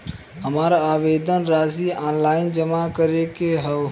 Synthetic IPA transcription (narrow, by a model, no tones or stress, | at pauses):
ɦəmaɾaaʋed̪ʱənɾasiaːnlaɪnd͡ʒəmakəɾekeɦəw